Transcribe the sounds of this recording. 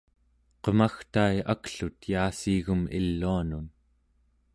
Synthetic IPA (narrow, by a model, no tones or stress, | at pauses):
qəmaxt̪ajakɬut̪jaːsiːɣumilːuanun